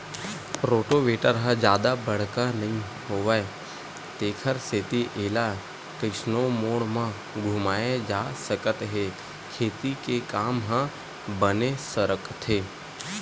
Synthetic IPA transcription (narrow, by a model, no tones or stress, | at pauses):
ɾoːʈoʋeːʈəɾɦə̃d͡ʒjaːd̪abəɽ̤kanɐɦĩ | ɦoːʋəe | t̪eːkʰəɾseːt̪iʔeːla | kɪsnomoːɽmə̃ | ɡʱʊmaːed͡ʒaːsəkət̪ɦe | kʰeːt̪ikekaːmɦə̃ | bənesəɾəkt̪ʰeː